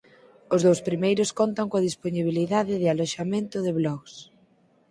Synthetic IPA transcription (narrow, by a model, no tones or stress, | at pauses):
ʊzðowspɾimejɾʊskont̪ɐŋkoɐðisponiβ̞iliðaðɪðɪaloʃamẽnt̪ʊðɪβlɔɣs